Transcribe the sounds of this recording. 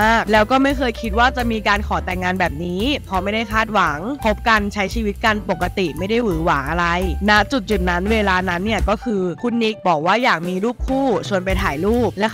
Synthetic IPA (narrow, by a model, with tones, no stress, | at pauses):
aː˥˩k̚lɛː˦˥wkɔː˥˩ma˥˩jkʰɤː˧jkʰi˦t̪̚waː˥˩t͡ɕa˨˩miː˧kaː˧nkʰɔː˨˩˦t̪ɛ˨˩ŋːaː˧nbɛː˨˩p̚niː˦˥pʰɔ˧˦ma˥˩jda˥˩jkʰaː˥˩t̪̚wa˩˦ŋpʰo˦˥p̚ka˧nt͡ɕʰa˦˥jt͡ɕʰiː˧wi˦˥t̪̚ka˧npo˨˩kːa˧t̪i˨˩ma˥˩jda˥˩jwɯː˩˦waː˩˦ʔa˧ɾa˧jna˦˥t͡ɕu˨˩t̪̚t͡ɕu˨˩na˦˥nweː˧laː˧na˦˥nːi˥˩ɐkɔː˥˩kʰɯː˧kʰu˧nːi˦˥k̚bɔː˨˩k̚waː˥˩jaː˨˩k̚miː˧luː˥˩p̚kʰuː˥˩su˨˩ənpa˧jt̪ʰaː˩˦jluː˥˩p̚lɛ˦˥